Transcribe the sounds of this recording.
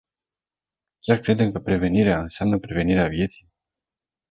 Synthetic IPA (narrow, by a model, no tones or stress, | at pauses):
kʲarkɾe̞d̪e̞mkəpɾe̞ve̞niɾeaɨnseamnəpɾe̞ve̞niɾeavje̞t̪sij